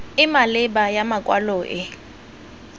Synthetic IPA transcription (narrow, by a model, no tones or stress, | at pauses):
ɪmalɪbajamakʼwa̰loːʔɪ